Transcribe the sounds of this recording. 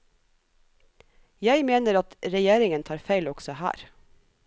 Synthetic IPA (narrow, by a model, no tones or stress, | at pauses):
jæɪmeːnəɾɑt̪ɾɛjeːɾɪŋənt̪ʰɑːɾfæɪlɔksɔhæ̰ːɾ